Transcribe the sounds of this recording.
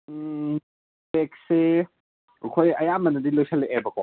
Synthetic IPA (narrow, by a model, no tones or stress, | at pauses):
bekse | kʰojɐjamɐnɐdilojsaleʔebɐkɔ̰